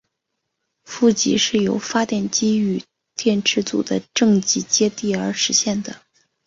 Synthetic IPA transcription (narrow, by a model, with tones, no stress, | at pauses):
fu˥˩t͡ɕḭ˧˥ʂɻ̩˥˩jo˧˥ʊfa˥t̪jɛ˥˩nt͡ɕi˥y˨˩ | t̪jɛ˥˩nʈ͡ʂʰɻ̩˧˥t͡sṵ˨˩d̪ə˦ʈ͡ʂɤ˥˧ŋt͡ɕi˧˥t͡ɕjɛ˥t̪i˥˩ə˞˧˥ʂɻ̩˧˥ɕjɛ˥˩nd̪ə˩